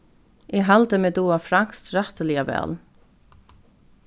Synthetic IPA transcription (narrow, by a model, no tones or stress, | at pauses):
ɪɦalt̪əmɛːd̪uːafɾaŋ̥kst̪ɾaht̪əlɪavɛ̰ːl